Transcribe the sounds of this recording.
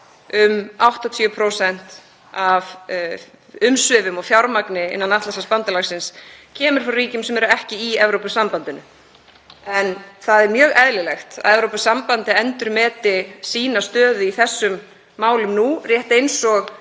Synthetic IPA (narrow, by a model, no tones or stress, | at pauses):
ʏmawht̪at̪ʰœːpʰɾowsɛn̥t̪ | av | ʏmsʏvʏmɔfjawɾmaknɪɪ̰nːanaht̪lasaspant̪alaxsɪnscʰɛːmʏɾ̥fɾariːcʏmsɛmɛɾʏɛhcɪiɛvɾowpʏsampant̪ɪnʏ̰ | ɛnθaðɛɾmjœːɣɛðlɪlɛxt̪a̰ðɛvɾowpʏsampant̪ɪɛnt̪ʏɾmɛːt̪ɪsiːnast̪œːðʏiθɛsːʏmː | aːwlʏmnurjɛht̪ejnsɔɣ